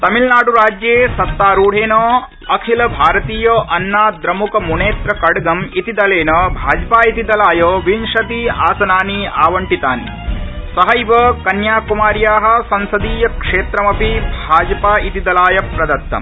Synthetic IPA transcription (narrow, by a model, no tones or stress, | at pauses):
t̪ɐmilnaːɽuɾaːd͡ʒjeːsɐt̪ːaːɾuːɽ̤ʱeːnoː | ɐkʰilɐbʱaːɾɐt̪iːjɐʔɐnːaːd̪ɾɐmukɐmuneːt̪ɾɐkɐɽɡɐmit̪id̪ɐleːnɐbʱaːd͡ʒpaːit̪id̪ɐlaːjɐoʋinʂɐt̪iaːsɐnaːnia̰ːʋɐɳʈit̪aːn | sɐɦɐjʋɐkɐnjaːkumaːɾjaːɦɐ̆sɐnsɐd̪iːjɐkʂeːt̪ɾɐmɐpibʱaːd͡ʒɐpaːit̪id̪ɐlaːjɐpɾɐd̪ɐt̪ːɐ̰m